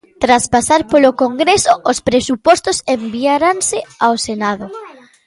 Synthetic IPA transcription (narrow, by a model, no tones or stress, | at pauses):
t̪ɾaspasaɾpolokoŋɡɾesoʔospɾesupɔst̪osembiaɾansɪawsenað̞ʊ